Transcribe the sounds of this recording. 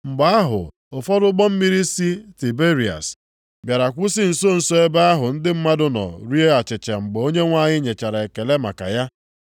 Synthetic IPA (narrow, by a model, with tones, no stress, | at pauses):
ŋ͡m̩˨ɡ͡ba˨˦a˦ɦʊ̰˨ | ʊ˨fɔ˦ɾʊ˦ɡ͡bɔ˦m̩˦mi˦ɾi˦si˦ti˨be˦ɾi˨a̰˨s | bja˨ɾa˨kʷʊ˦sɪ˦n̩˨so˦n̩˨so˦e˦ba˦a˦ɦʊ˨n̩˦dɪ˦m̩˦ma˦dʊ˦nɔ̰˨ɾi˦e˦a˨t͡ʃɪ˨t͡ʃe˨ŋ͡m̩˨ɡ͡be˨o˦ɲe˦ŋʷa˦˨ɲɪ˦ɲe˨t͡ʃa˨ɾa˨e˨ke˨le˦ma̰˨ka̰˨ja˦